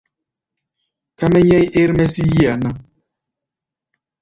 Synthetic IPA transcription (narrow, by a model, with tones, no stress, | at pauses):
ka˦mɛ˦ɲɛ˦je˦ɾmɛ˦si˦ji˦a˨na˦